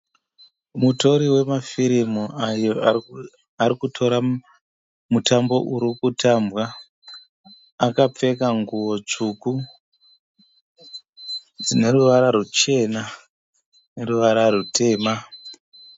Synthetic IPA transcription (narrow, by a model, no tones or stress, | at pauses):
muto̞ɾiwe̞mafiɾimuajo | aɾikutʰo̞ɾa | mutambo̞̰ʔuɾikutʰambwa | kap͡fe̞kaŋɡuwo̞t͡ʂuku | d͡zine̞ruʋaɾaɾut͡ʃe̞na | neɾuʋaɾaɾutʰe̞ːma